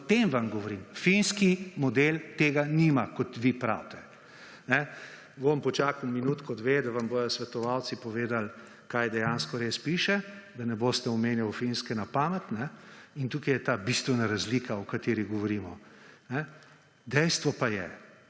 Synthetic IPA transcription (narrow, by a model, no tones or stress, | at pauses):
t̪emʋamɡɔʋɔɾimfinskimɔd̪elt̪eːɡanimakɔt̪ʋipɾa̰ːwt̪ɛ | nɛ | ʋompɔt͡ʃaːkuminuːt̪kɔd̪ʋeːd̪aʋamboːjɔsʋɛt̪ɔʋaw̪sipɔʋeːd̪al | kaːjd̪ɛjanskɔɾespiʃɛd̪anɛboːst̪ɛɔmeːnjawfinskɛnapaːmɛt̪nɛint̪uːkajɛt̪aːbist̪ʋɛnaɾazliːkaɔkat̪eːɾiɣɡɔʋɔɾiːmɔnɛ | d̪ɛjst̪ʋɔpajɛ̰